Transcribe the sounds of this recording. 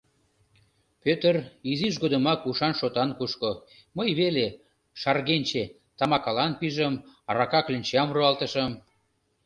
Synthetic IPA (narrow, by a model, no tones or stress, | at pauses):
pøt̪əriziʃ̬ɡod̪əmɑkuʃɑnʃot̪ɑnkuʃko | məjβele | ʃɑrɣenʲt͡ɕe | t̪ɑmɑkɑlɑnpiʒəmɾɑkɑklinʲt͡ɕɑmruɑlt̪əʃəm